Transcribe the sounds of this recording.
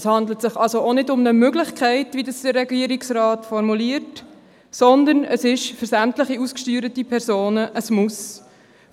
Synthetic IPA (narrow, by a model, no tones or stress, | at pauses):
shɑnd̪lətsɪχɑlsoʔonɪdʊmnəmøɡlɪχkχæɪtʋidɑsd̥ərːɛɡiːəɾɪksrɑːtfɔɾmuliəɾt | sɔnd̪ənəsɪʃfʏɾsæmtləχiuskʃtyːɾətipʰɛɾsoːnəʔəsmʊs